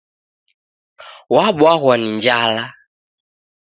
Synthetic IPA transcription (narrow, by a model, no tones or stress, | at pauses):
waɓwaɣwaniɲd͡ʒala